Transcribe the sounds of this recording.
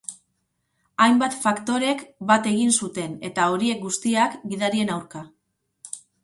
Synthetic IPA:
ajmbat̪fakt̪o̞ɾe̞kbat̪e̞ɣ̞insut̪e̞ne̞̰t̪ao̞ɾie̞k̚ɡust̪iakɡiðaɾie̞nawɾka

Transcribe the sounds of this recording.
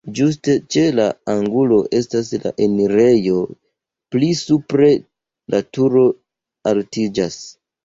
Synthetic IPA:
d͡ʒus̬te̞t͡ʃe̞laaŋɡulo̞ʔe̞stasla̰ʔe̞miɾe̞jo̞ | plisupɾe̞ | latuɾo̞ | altid͡ʒas

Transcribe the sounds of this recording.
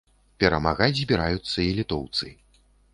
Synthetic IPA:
pʲɛɾɐmaɣad͡zʲzʲbʲiɾajut̪sːɐilʲit̪ɔwt̪sɨ

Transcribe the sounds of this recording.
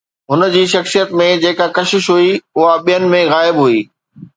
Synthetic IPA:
ɦʊnə̆d͡ʑiːʃɐxsijət̪mẽd͡ʑeːkakɐʃɪʃɦuiʊɦaɓijənɪ̆mẽɣaːɪbɦuiː

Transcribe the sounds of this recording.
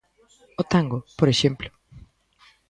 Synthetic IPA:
ot̪ãŋɡopoɾeʃẽmplʊ̥

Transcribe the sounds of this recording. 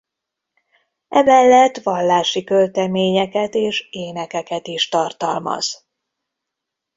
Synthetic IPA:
ɛmɛlːɛt̪ʋɒlːaːʃikølt̪ɛmeːɲɛkɛt̪eːʃeːnɛkɛkɛt̪iʃt̪ɒrt̪ɒlmɒ̰z̥

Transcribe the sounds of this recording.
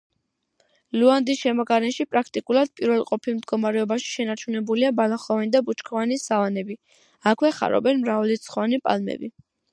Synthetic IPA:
luand̪isʃɛmɔɡaɾɛnʃipʼɾak̚ʰt̪ʼikʼulˠaɾd̪̥̚pʼiɾvɛlˠqʼɔpʰimd̪ɡɔmaɾɛɔbaʃi̥ʃɛnaɾt͡ʃʰunɛbuliabalaχɔvanid̪abut͡ʃkʰɔvanisavanɛbi | akʰwɛχa̰ɾɔ̰bɛnmɾavɛlit̪sʰχanipʼa̰lmɛ̰bi

